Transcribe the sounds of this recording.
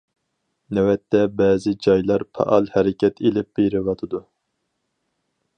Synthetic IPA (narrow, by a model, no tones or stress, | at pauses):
nɛwɛt̪ːɛbɛːzɪd͡ʒɑjlˠɑɾpʰɑ̰ʔɑlˠhɛɾɪkʲʰɛt̪ʰelɪp̚b̥eɾɪvɑt̪ʰɨd̪u